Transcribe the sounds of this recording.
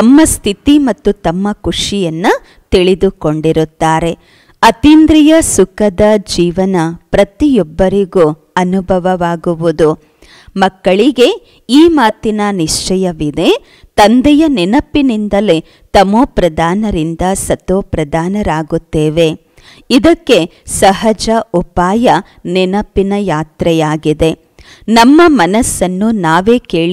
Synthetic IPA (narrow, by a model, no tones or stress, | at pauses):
ɐmːɐst̪ʰit̪imɐt̪ːut̪ɐmːɐkuʂijɐnːu | t̪iɭid̪uko̞ɳɖiɾut̪ːaːɾe̞ | ɐt̪iːnd̪ɾijɐsukɐd̪ɐd͡ʒiːʋɐnɐpɾɐt̪ijɔbːɐɾiɡu | ɐnubʱɐʋɐʋaːɡuʋud̪u | mɐkːɐɭiɡe̞ | iːmaːt̪inɐniʂt͡ʃɐjɐʋid̪e̞ | t̪ɐnd̪ɛjɐninɐpːinind̪ɐle | t̪ɐmoːpɾɐd̪aːnɐɾind̪ɐsɐt̪oːpɾɐd̪ʱaːnɐɾaːɡut̪ːeːʋe̞ | id̪ɐkːe̞ | sɐɦɐd͡ʒɐʔupaːjɐ | ninɐpːinɐjaːt̪ɾɛjaːɡid̪e̞ | nɐmːɐmɐnɐsːɐnːunaːʋe̞ːke̞ːɭi